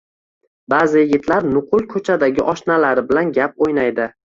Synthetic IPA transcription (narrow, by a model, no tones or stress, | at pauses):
baːzɪjɪɡʲɪt̪laɾnʊqʰʊlˠkʰɵt͡ʃʰad̪aɡʲɪʔɒʃnalaɾɪbɪlanɡʲap̚ojnajd̪ɪ